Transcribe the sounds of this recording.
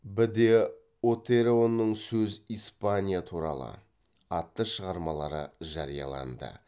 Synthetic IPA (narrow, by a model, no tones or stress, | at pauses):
bɪd̪e | ot̪eɾeo̞nːəɴsɵzijspanʲijat̪ʰuɾɑ̰lˠə̰ | ɑt̪ːəʃəʁɑɾmɑlˠɑɾəʒɑɾijɑ̰lˠɑ̰nd̪ə̰